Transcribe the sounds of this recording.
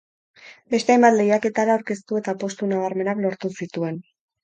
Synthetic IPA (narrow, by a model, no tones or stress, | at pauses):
be̞st̪eajmbat̪le̞jake̞t̪aɾaawɾke̞st̪ue̞t̪apo̞st̪unaβ̞aɾme̞naklo̞ɾt̪usit̪ue̞n